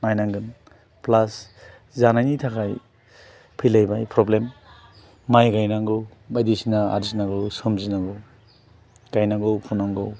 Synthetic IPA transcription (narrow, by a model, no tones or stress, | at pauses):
majnaŋɡɯn | plas | zanajnitʰakʰaj | pʰɯjlajbajpɾɔblemː | ajɡajnaŋɡɯw | bajdisinaa̰ɾzinaɡɯwsɯmzinaɡɯw | ɡ̥ajnaɡowpʰunaŋɡɔw